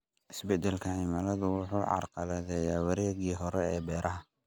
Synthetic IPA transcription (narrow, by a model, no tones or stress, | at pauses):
ʔɪsbɛd̪ɛlkʰɐʕiːmɐlɐðʊwʊħuːʕɑ̰rqɑlɐðɛjaːwɐɾɛːɣiːɦɔɾɛɛːbɛːɾɐɦɐ